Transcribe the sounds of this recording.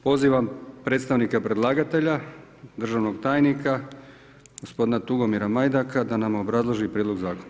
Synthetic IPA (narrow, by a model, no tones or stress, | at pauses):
po̞ziːʋampɾe̞ːt̪st̪aʋnikapɾe̞dlˠaːɡat̪e̞ʎad̪r̩ʒaːʋno̞ɡt̪aːjnika | ɡ̥o̞spo̞d̪inat̪uɡo̞miɾamajd̪akad̪anamobɾazlˠoʒipɾiːd̪loɡzaːkona